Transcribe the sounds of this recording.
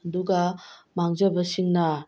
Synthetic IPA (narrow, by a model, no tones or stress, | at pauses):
ɐduɡɐmaŋd͡ʒɐbɐsiŋnɐ